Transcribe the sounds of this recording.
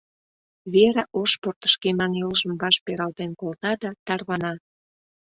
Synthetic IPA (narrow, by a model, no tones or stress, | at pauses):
βeɾaʔoʃport̪ə̥ʃkemɑnjolʒə̆mbɑʃpeɾɑlt̪enkolt̪ɑd̪ɑt̪ɑrβɑnɑ